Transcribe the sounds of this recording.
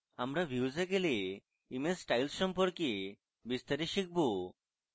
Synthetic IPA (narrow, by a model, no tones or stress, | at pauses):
amɾabiwzekeli | imesʈajlsʃɔmpoɾki | bist̪aɾiʃik̚bo